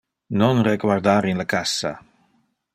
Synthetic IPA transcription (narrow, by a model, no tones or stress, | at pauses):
nonreɡwaɾd̪aːɾinlakasːa̰